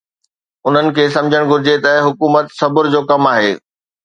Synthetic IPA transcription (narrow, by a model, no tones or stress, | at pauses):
ʊn̤ənɪ̆kʰeːsɐ̃md͡ʑʱəɽ̃ɡʱʊɾɪd͡ʑet̪ɐɦʊkuːmət̪sɐbʊɾd͡ʑoːkɐmaːɦḛː